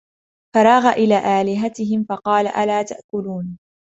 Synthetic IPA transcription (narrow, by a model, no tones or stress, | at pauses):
fɑɾˤɑːɣaʔɪlaːʔaːlɪɦat̪ɪɦɪmfɑqɑːla̰ʔalaːt̪a̰ʔkʊluːn